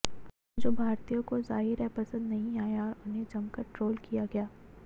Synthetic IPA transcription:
d͡ʒobʱaːɾt̪ijõkozaːɦɪɾɛpɐsə̃nd̪nɐɦĩaːjaɔɾʊnɦed͡ʒɐmkɐɾʈɾoːlkijaɡɐjaː

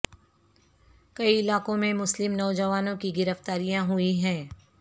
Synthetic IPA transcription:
kɐiɪlaːkõmẽmʊslɪmnɔːd͡ʒɐʋaːnõkiɡɪɾəft̪aːɾijãɦʊiɦɛ̃ː

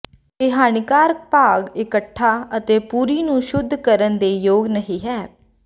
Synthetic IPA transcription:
ɪɦaːnɪkaːɾk̚paːɡɪkəʈʰːaːət̪eːpuːɾiːnũːʃʊd̪ʱːkəɾənd̪eːjoːɡnəɦĩːɦɛː

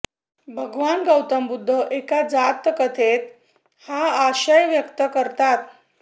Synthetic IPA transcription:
bʱəɡʋanɡəwt̪əmbud̪ʱːəʔekad͡zat̪ːəkət̪ʰet̪̚ | haaɕəjʋjəkt̪əkəɾt̪at̪̚

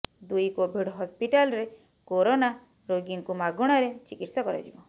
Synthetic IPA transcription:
d̪ujkobʱiɖɦɔspiʈalɾe | koɾona | ɾoɡiŋkumaɡuɽ̃ɔɾet͡ʃikiʈsɔkɔɾɔ̰d͡ʒibɔ

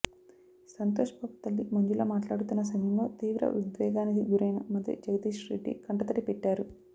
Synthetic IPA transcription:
sɐnt̪oːʂɐpɐkt̪ɐlːimɐɲd͡ʒulo̞ːmaːʈlaːɽut̪unːɐs̬ɐmjɐmlo̞ːt̪iːʋɾɐ̰ʋid̪ʋɛːɡaːnikiɡuɾɐjnɐmɐd̪jɐ̰d͡ʒɐɡɐd̪iːʂɾḭːʈḭkɐɳʈɐt̪ɐɾipɛʈːaːɾu

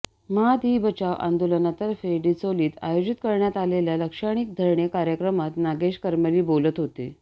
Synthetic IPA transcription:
mad̪iːbət͡ɕaʋʔa̰nd̪olənat̪əɾfeɖit͡soliːt̪a̰jod͡ʑit̪kəɾɳjat̪aleljaləkʂaɽ̃ik̚d̪ʱəɾɳjekaɾjəkɾəmat̪naɡeɕkəɾməliːbolət̪ɦot̪ḛ

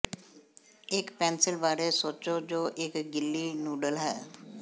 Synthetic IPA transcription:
ɪkpɛ̃ːnsɪlbaːɾesoːt͡ʃod͡ʒoːʔɪkɡɪlːinuːɖəlɦɛː

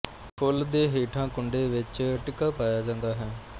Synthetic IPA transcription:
pʰʊld̪eːɦeːʈʰãːkʊɳɖeːʋɪt͡ʃʈɪkːaːpaːjaːd͡ʒãːnd̪aːɦɛː

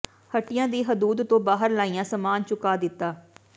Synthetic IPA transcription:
həʈːɪjãːd̪iːɦəd̪uːd̪t̪õːbaːɦəɾlaːijãːsəmaːnt͡ʃʊkaːd̪ɪt̪ːaː

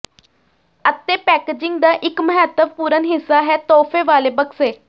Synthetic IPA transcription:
ət̪eːpɛːkeːd͡ʒɪ̃ŋɡd̪aːʔɪkməɦət̪əʋpuːɾənɦɪsːaːɦɛːt̪ɔːpʰeːʋaːleːbəkseː

